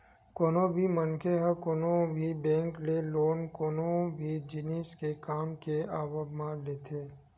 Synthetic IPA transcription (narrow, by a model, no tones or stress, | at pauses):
koːnõbʱimənkʰeɦəkoːnõbʱibɛ̃ːŋkleloːnkoːnõbʱid͡ʒɪniskekaːmkeaːbəbmãleːt̪ʰeː